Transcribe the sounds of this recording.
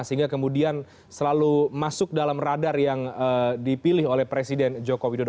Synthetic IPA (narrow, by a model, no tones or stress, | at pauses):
səɦiŋɡakəmudian | səlalumasʊk̚dalamradarjaŋədipilɪholɛhpɾesidɛnd͡ʒokowidod